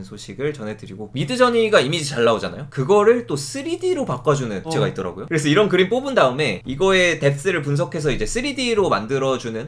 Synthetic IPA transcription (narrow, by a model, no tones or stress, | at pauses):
nsʰoɕʰiɡɯɭt͡ɕʌnɦe̞dɯɾiɡomidɯd͡ʑʌɲiɡaimid͡ʑit͡ɕaɭːaod͡ʑana̰jokɯɡʌɾɯɭt͈os͈ʰɯɾidiɾopak͈ad͡ʑunɯnt͡ɕe̞ɡait͈ʌɾa̰ɡojokɯɾe̞sʰʌiɾʌnkɯɾimp͈obɯndaɯme̞iɡʌe̞te̞s͈ɯɾɯɭp̬uns̬ʰʌkʰe̞sʰʌid͡ʑe̞s͈ʰɯɾidiɾoma̰ndɯɾʌd͡ʑunɯn